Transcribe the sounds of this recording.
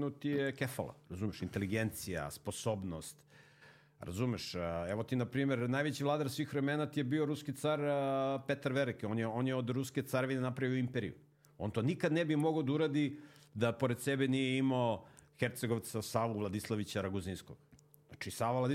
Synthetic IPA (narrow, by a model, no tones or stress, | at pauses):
nut̪ijekefa̰lˠa̰ɾazumeʃint̪eliɡent̪sija̰spo̞sobnost̪ | ɾa̰zumeʃɛʋot̪inapɾiːmeɾnaːjʋet͡ɕivlˠaːd̪aɾsʋiːxɾemenat̪ijebioɾuskit̪saɾpet̪aɾʋeɾekoːnjeo̞njeod̪ɾusket̪saɾeʋinenapɾaʋiouimpeɾḭṵ | o̞nt̪o̞ːnikad̪nebimoɡad̪auɾad̪id̪apo̞ɾed̪sebenijeimaoxeɾt̪seɡoʋat̪sasaːʋuvlˠad̪islˠaʋit͡ɕaɾaɡuzinsko̰ɡ̪ | at͡ʃisaːʋalad̪